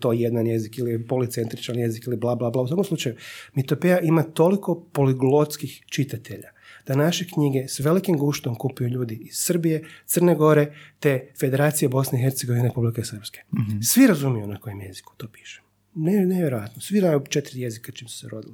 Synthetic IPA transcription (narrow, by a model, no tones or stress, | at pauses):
t̪ojed̪nanjezikilijepolit̪se̞nt̪ɾit͡ʃanje̞zikiliblˠaːblˠaːblaːusʋakomslut͡ʃajumit̪opejaʔimat̪o̞liko̞po̞liɡlˠot̪skixt͡ʃit̪at̪ʰe̞ʎa̰d̪̥anaʃe̞kɲiɡe̞sʋe̞likimɡuʃt̪omkupijuʎuːd̪iiz̥sr̩bije̞t̪sərneɡo̞ɾe̞t̪e̞fe̞d̪eɾaːt̪sijebo̞sneixe̞ɾt̪eɡo̞ʋineeɾe̞publikesər̩pske̥sʋiɾazumijunako̞je̞mjezi̥ku̥t̪o̞pi̥ʃem | neneʋjeɾo̞at̪nosʋiɾajut͡ʃet̪ɾijezikat͡ʃimsu̥seɾo̞d̪ili